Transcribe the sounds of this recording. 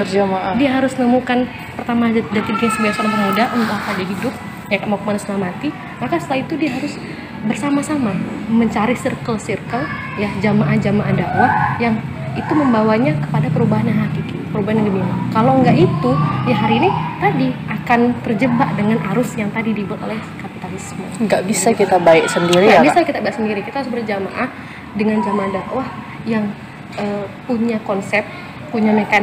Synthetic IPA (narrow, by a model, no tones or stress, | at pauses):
ərd͡ʒamaʔadiaɦaɾʊsnəmukan | pərt̪amadat̪iɡiɲasəbiasanant̪əɾadaʔunt̪uakadiɦidʊp̚ | jakamakmanusnamat̪i | makasə̥t̪əlait̪udiaɦaɾʊs | bərsamasamaməɲt͡ʃaɾisirkəlsirkəl | jad͡ʒamaʔad͡ʒamaʔadaʔwajaŋ | it̪uməmbawaɲakə̥padapəɾubaɦanjaŋɦakikipəɾubaɦanjaŋɡəbinakalowəŋɡaʔit̪ujaɦaɾiːnit̪adiʔakant̪ərd͡ʒəbaʔdəŋanaɾʊsjaŋt̪adidibʊt̪o̰lɛhkapit̪alisməŋɡaʔbisakit̪abaɛk̚səndiɾiɡabisakit̪abaɪksəndiɾikit̪aɦaɾʊsbərd͡ʒama̰ʔa | dəŋand͡ʒamaʔadaʔwah | jaŋ | ʔəpuɲakɔnsɛp̚ | puɲanaka